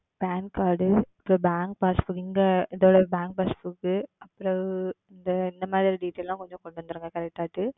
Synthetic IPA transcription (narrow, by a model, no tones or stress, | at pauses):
b̥aːnkaːɾɖɯɐpːɾobaːŋk̚paːsfukɪŋɡɐɪðoːɽɐbaːŋk̚paːsfukːɯɐpːɯɾõɪnd̪ɐɪnd̪ɐmaːðɪɾiɖiːʈːejlːãːkɔɲd͡ʒõkɔɳɖɯʋɐnd̪ɪɾɯːŋɡɐkɐɾɛk̚ʈːaːʈːɯ